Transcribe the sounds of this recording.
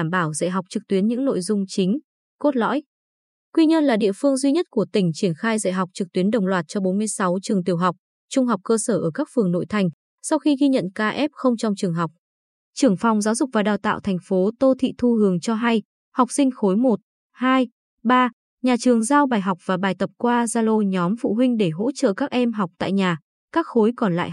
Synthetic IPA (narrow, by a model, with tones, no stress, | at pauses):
aː˧˩mɓaː˧˩wzə̰˧˨jɦa˨˩k͡p̚t͡ɕɨ˨˩k̚t̪wi˨˦ənɲɨ̰˧˥ŋno̰˧˨jzʊ˧ŋ͡mt͡ɕï˨˦ŋ̟ | ko˦˥t̚lɔ̰˧˥j | kwi˧ɲə˧nlaː˨˩ɗḭ˧˨əfɨ˧əŋzwi˧ɲə˦˥t̚ku˧˩ət̪ï˧˩ŋ̟t͡ɕi˧˩ənxaː˧jzə̰˧˨jɦa˨˩k͡p̚t͡ɕɨ˨˩k̚t̪wi˨˦ənɗə˨˩wŋ͡mlwaː˨˩t̚t͡ɕɔ˧ɓo˨˦nmɨ˧əjsa˨˦wt͡ɕɨ˨˩əŋt̪̬i˨˩əwɦa˨˩wk͡p̚ | t͡ɕʊ˧ŋ͡mɦa˨˩wk͡p̚kəː˧səː˧˩ʔəː˧˩kaː˦˥k̚fɨ˨˩əŋno̰˧˨jt̪ʰa˨˩jŋ̟ | sa˧wxi˧ɣi˧ɲə̰˧˨nkaː˧ʔɛ˦˥p̚xə˧wŋ͡mt͡ɕɔ˧wŋ͡mt͡ɕɨ˨˩əŋɦa˨˩wk͡p̚ | t͡ɕɨ˨˩əŋfɔ˨˩wŋ͡mzaː˨˦wzʊ˨˩k͡p̚vaː˨˩ɗaː˨˩wt̪a̰ː˧˨wt̪ʰɛ˨˩jŋ̟fo˨˦t̪o˧t̪ʰḭ˧˨t̪ʰu˧hɨ˨˦əŋt͡ɕɔ˧ɦa˧j | ha˨˩wk͡p̚sï˧ŋ̟xo˨˦jmo˨˩t̚ | haː˧j | ɓaː˧ | ɲaː˨˩t͡ɕɨ˨˩əŋzaː˧wɓaː˨˩jɦa˨˩wk͡p̚vaː˨˩ɓaː˨˩jt̪ə˨˩p̚kwaː˧zaː˧lo˧ɲɔ˨˦mfṵ˧˨ɦï˧ŋ̟ɗe˧˩ɦo̰˧˥t͡ɕə̰ː˧˨kaː˦˥k̚ʔɛ˧mɦa˨˩wk͡p̚t̪a̰ː˧˨jɲaː˨˩ | kaː˦˥k̚xo˨˦jkɔ˨˩nla̰ː˧˨